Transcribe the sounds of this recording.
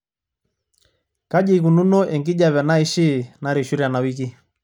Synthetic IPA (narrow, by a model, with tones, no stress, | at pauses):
ka˦d͡ʒi˦˨ku˨nu˦nɔ˦ʔɛ˨ŋɡi˦ʄa˨βɛ˨na˦i˦ʃi˦˨na˨ɾi˨ʃu˦ɾja˨na˨wi˦ki˦